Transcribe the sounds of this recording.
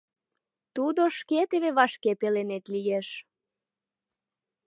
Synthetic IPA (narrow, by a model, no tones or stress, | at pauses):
t̪ud̪oʃket̪eβeβɑʃkepelenet̪lijeʃ